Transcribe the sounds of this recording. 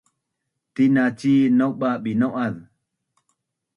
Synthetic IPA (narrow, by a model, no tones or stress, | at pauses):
tinat͡ʃiːnɔkɓaɓinɔwʔað